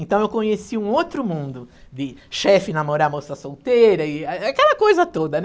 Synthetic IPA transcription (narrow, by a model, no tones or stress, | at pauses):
ẽnt̪ɐ̃w̃ewkõɲesiũot̪ɾʊmũnd̪ʊd̪ɪʃɛfɪnamoɾamosɐsowt̪ejɾɐɪaakɛlɐkojzɐt̪od̪ɐn